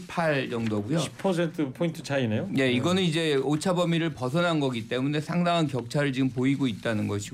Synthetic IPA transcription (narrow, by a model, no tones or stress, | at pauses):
pʰaɭjʌŋdoɡujoɕʰi̥pʰʌs̬ʰentʰɯpʰointʰɯt͡ɕainejoje̞iɡʌnɯnid͡ʑe̞ot͡ɕʰabʌmiɾɯɭpʌsʰʌnɦanɡʌɡit͈e̞mune̞sʰaŋdaŋɦankjʌk̚t͡ɕʰaɾɯɭt͡ɕiɡɯmpoiɡoit̚t͈anɯnɡʌɕʰi